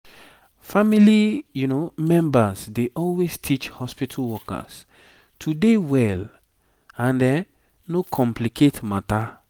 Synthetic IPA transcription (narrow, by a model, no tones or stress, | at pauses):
familijunomɛ̃mbasdeʔɔlwestʰit͡ʃhɔspitʰalwɔka̰s | tʰudewɛl | ãndɛ | nokʰɔ̃mplikʰetmata